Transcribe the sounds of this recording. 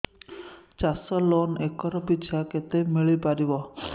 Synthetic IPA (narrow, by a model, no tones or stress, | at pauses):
t͡ʃasɔlonekɔɾɔpit͡ʃʰaket̪emiɭipaɾibɔ